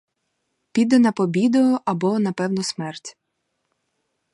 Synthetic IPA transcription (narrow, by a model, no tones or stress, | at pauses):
pʲid̪ɛnɐpɔbʲid̪ɔjʊʔɐbɔnɐpɛwnɔsmɛrtʲ